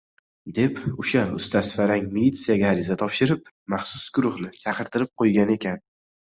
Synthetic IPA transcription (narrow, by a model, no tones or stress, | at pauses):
d̪e̞pʊʃaʊ̰st̪ʰasfaɾaŋmilʲit̪sːijaɡʲaːɾɪzat̪ʰɒpʃɪɾɪp | maχsʊ̥sɡʊɾʊhnɪt͡ʃʰɑqʰɨɾt̪ʰɪɾɪp̚qʰojɡʲane̞kʲʰan